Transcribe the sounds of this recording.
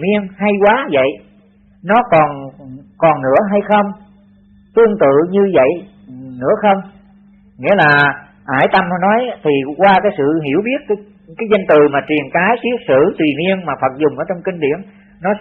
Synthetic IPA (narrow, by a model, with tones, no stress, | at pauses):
mi˧ənɦa˧jkwaː˨˦və̰˧˨j | nɔ˨˦kɔ˨˩nkɔ˨˩nnɨ̰˧˥əɦa˧jxə˧wŋ͡m | t̪ɨ˧əŋt̪ɨ̰˧˨ɲɨ˧və̰˧˨j | nɨ̰˧˥əxə˧wŋ͡m | ŋḭ˧˥əlaː˨˩ | ʔaː˧˩jt̪ə˧m˧nɔ˨˦jt̪ʰi˨˩kwaː˧kaː˨˦jsɨ̰˧˨ɦḭ˧˩əwɓi˦˥ət̚kː | kaː˨˦jzə˧nt̪ɨ˨˩maː˨˩t͡ɕwi˨˩ənkaː˨˦jt̪i˦˥ək̚sɨ̰˧˨t̪wi˨˩mi˧ənmaː˨˩fə˨˩t̚zʊ˨˩ŋ͡mʔəː˧˦t͡ɕɔ˧wŋ͡mkï˧ŋɗḭ˧˨ənː | ɔ˨˦